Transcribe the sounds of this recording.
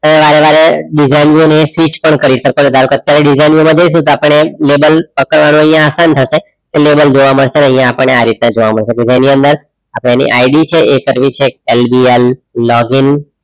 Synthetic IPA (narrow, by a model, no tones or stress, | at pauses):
t̪əʋeʋaɾeʋaɾeɖid͡ʒainoneːsʋit͡ʃpəɳkəɾiʃəkoned̪ʱaɾukət̪jaɾeɖid͡ʒainjomãd͡ʒəis̬ũt̪oapəɳelebəlpəkəɽʋanũə̃ɦjãːsant̪ʰəʃe | kelebəld͡ʒoʋaməɽʃenəɦjãapəɳːeaɾit̪̚nãd͡ʒoʋaməɽʃeked͡ʒeniə̃nd̪əɾ | apɽeanḭʔaiɖit͡ʃʰeʔekəɾʋit͡ʃʰeelbielːɔɡin